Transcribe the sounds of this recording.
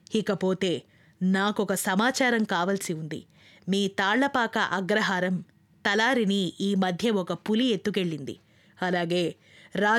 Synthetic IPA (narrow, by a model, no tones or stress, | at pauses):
ikɐpo̞ːt̪e̞ː | naːkɔkɐsɐmaːt͡ʃaːɾɐmkaːʋɐlsiund̪ḭ | miːt̪aːɭːɐpaːkɐʔɐɡɾɐɦaːɾɐm | t̪ɐlaːɾiniiːmɐd̪ʱjɐɔkɐpulie̞t̪ːuke̞ɭːind̪ḭ | ɐlaːɡe̞ː | ɾaː